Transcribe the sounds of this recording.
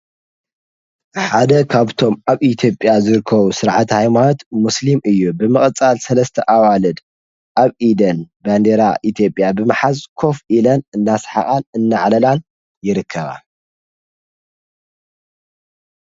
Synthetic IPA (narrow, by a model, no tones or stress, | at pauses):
ħad̪ɐkʰaβt̪ʰo̞mʔaβit̪ʰjo̞pʼjazɨɾɨkʰːɐβusɨɾʕat̪hajmanot̪muslimʔɨjːubɨmɨχʼt͡sʼalsɐlɐst̪ʰɐʔawalɨd̪ | ʔaβʔid̪ɐnband̪eɾaʔit̪ʰijo̞pʼjabɨmɨħazkʰo̞filɐnɨnːasħa̰χʼanɨnːaʕlɐlan | jɪɾɨkʰːɐβa̰